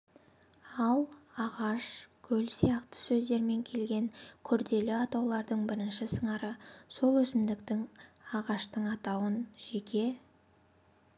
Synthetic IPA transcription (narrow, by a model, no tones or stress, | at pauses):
ɑlˠɑʁɑʃkʲʰɵlsijɑqt̪ə̥sɵzd̪e̞ɾme̞ŋkʲʰe̞lɡʲe̞ŋkʲʰʏɾd̪e̞lɪɑt̪ɑwlˠɑɾd̪əɴbɪɾɪnʃɪsəɴɑɾəso̞lˠwɵsɪmd̪ɪkt̪ɪŋɑʁɑʃt̪əɴɑt̪ɑwənʒe̞kʲʰe̞